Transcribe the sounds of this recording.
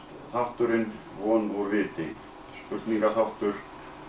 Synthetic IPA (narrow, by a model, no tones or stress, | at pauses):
θawht̪ʏɾɪn | vɔːnɔrɪːt̪ɪ | spʏht̪niŋkaθaht̪ʏɾ̥